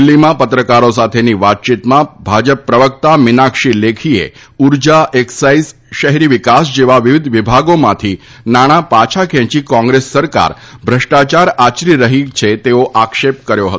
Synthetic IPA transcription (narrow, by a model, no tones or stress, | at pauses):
lːimãpət̪ɾəkaɾosat̪ʰeniʋat̪̚t͡ʃit̪mãbʱad͡ʒəpːɾəʋək̚t̪amɪnakʂilekʰiḛ | uɾd͡ʒaʔeksais | ʃəɦɾiʋikasd͡ʒeʋaʋiʋid̪ʋibʱaɡomãt̪ʰi | naɽ̃apat͡ʃʰakʰɛ̃t͡ʃikɔ̃ŋɡɾesːəɾka̰ɾ | bʱɾəʂʈat͡ʃaɾat͡ʃɾiɾəɦit͡ʃʰet̪eoʔakʃep̚kəɾjoɦə̰t̪